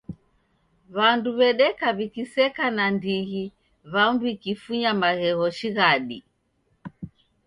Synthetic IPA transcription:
βanduβɛɗɛkaβikisɛkanandiɣi | βaundwikifuɲamaɣɛɣɔʃiɣaɗi

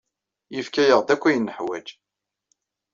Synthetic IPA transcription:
jəfkæjəʁd̪ækʷːæjənːəħwæ̰d͡ʒ

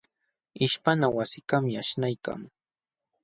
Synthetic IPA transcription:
ɪʃpanawasɪkamaʃnajka̰ŋ

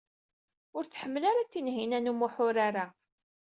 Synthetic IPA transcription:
ʊɾθħəmːəlaɾat͡sːinɦinænumuħʊɾaɾa

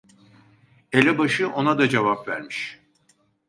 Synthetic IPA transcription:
elʲɛbaʃɯʔo̞nad̪ad͡ʒevapvæ̰ɾmiʃ

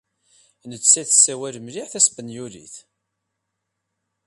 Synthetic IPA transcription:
nət͡sːæθsːæwælmliʕθæsbənjuɾḭθ

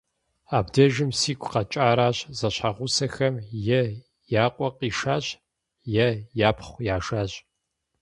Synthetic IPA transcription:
aːbdɐʒɪmsiːkʷʰqɐt͡ʃʼaːɾaːɕzɐɕħaʁʷʊsɐxɐmjɛ | jaːqʷʼɔqʼiːʃaːɕ | jɛjaːpʰχʷjaːʒaːɕʼ

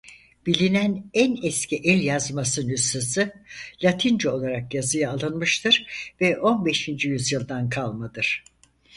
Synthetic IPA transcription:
b̥ilʲinænænɛscʰiʔɛlʲjazmasɯnysasɯlʲat̪ʰind͡ʒɛo̞lˠaɾakjazɯjaːlˠɯnmɯʃt̪ʰɯɾ̥vɛʔo̞nbɛʃind͡ʒyjyzjɯlˠd̪ankʰalˠmad̪ɯɾ̥

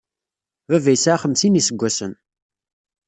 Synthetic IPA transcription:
vævæjsʕaχəmsinisəɡʷːæsən

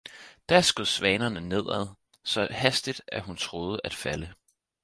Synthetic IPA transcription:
d̥æɐsɡ̥oðˠsʋɛːnɐnəne̝ð̞̰ˠæðˠ | sɒ̽hæsd̥id̥æɐɦunt͡sʰʁo̝ːð̞ˠəʔæd̥fælə

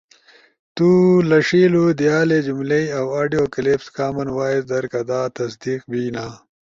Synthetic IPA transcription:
t̪uːlɐʂiːlud̪ijaːled͡ʑumleiɐwaːɖijoːkilepskaːmɐnwaːizd̪ɐɾkɐd̪aːt̪ɐs̬d̪iːqbiːnaː

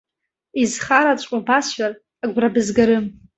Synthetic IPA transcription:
izχaɾat͡ʃʷʼabasʃar | aɡʷrabɨzɡaɾɨm

